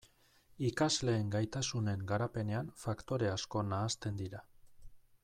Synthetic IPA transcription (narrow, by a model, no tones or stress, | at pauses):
ikazle̞ːŋɡajt̪asune̞ŋɡaɾape̞ne̞anfakt̪o̞ɾe̞asko̞naːst̪e̞nd̪iɾa